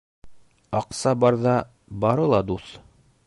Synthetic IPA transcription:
ɑqsɑbɑɾðɑ | bɑɾɤlˠɑd̪uθ

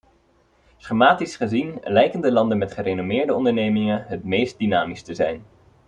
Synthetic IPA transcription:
sχəmaːtisχəzinlɛjkəndəlɑndənmɛtχərejnomɪːɹdəɔndəɹnejmɪŋənɦətmejst̚dinaːmistəzɛjn

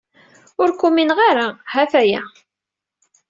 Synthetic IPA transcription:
ʊɾkuminʁaɾahæfæjæ

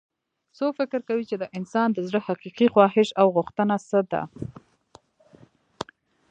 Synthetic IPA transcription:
sofɪkɾkawit͡ʃed̪əʔɪnsɑnd̪əzɽəhaqiqixwɑɦɪʃawɣʊxt̪ənasəd̪a̰

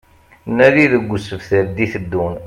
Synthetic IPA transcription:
nːæðiðəɡʷːʊsəvθəɾd̪iθəd̪ːun

